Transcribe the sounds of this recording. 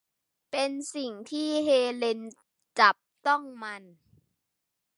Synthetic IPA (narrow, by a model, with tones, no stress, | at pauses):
pe˧nsi˨˩ŋt̪ʰiː˥˩ɦeː˧le˧n | t͡ɕa˨˩p̚t̪ɔ˥˩ŋma˧n